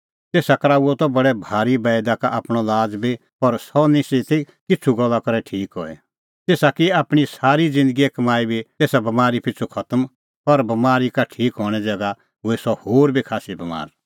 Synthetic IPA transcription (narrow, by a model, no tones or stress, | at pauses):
t̪eːsakɐɾaːuɔt̪ɔbɐɽɛbʱaːɾibɛːd̪akaʔaːpɽ̃ɔlaːd͡zbi | pɐɾsɔnɪsit̪i | kɪt͡sʰuɡɔlːakɐɾɛʈʰiːkɦɔɛ̰ | t̪eːsakiaːpɽ̃isaːɾid͡zɪ̃nd̪əɡiekɐmaːibʱit̪eːsabɐmaːɾipɪt͡sʰukʰɐt̪əm | pɐɾbɐmaːɾikaʈʰiːkɦɔːɽ̃ɛd͡zɛɡa | ɦʊɛsɔhoːɾbʱikʰaːsibɐma̰ːɾ